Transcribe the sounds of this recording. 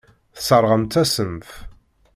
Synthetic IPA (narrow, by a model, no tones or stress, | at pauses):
θsəɾˤʁəmt̪æsəmf